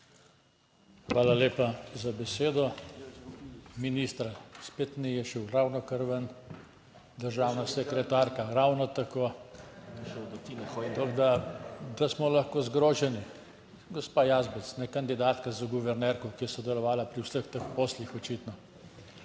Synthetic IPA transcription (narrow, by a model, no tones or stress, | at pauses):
xʋaːlaleːpazabɛseːd̪ɔ | miniːst̪ɾaspeːt̪nijɛʃɛwɾawnɔkəɾʋən | d̪əɾʒaːwnasɛkɾɛt̪aːɾkaɾawnɔt̪akoː | t̪ɔɡd̪ad̪asmɔlaxkoːzɡɾoːʒɛni | ɡɔspaːjazbɛsnɛkand̪id̪aːt̪kazaɡuʋɛɾnɛɾkɔkijɛsɔd̪ɛlɔʋaːlapɾiwsəxt̪əxpoːslixɔt͡ʃiːt̪nɔ